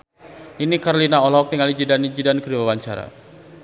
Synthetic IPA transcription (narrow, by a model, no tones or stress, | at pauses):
inikaɾolinaɔlɔk̚t̪iŋalid͡ʒidanid͡ʒidankəɾiwawaɲt͡ʃaɾa̰